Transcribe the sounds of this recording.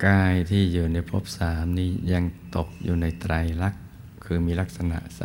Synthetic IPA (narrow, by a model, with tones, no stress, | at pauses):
kaː˧jt̪ʰiː˥˩juː˨˩na˧jpʰo̰˦˥˩p̚saː˩˦mniː˦˥ja˧ŋt̪o˨˩k̚juː˨˩na˧jt̪ɾa˧jla˦˥k̚ | kʰːɯː˧miː˧la˦˥k̚sa˧na̰˨˩ʔsa̰˨˦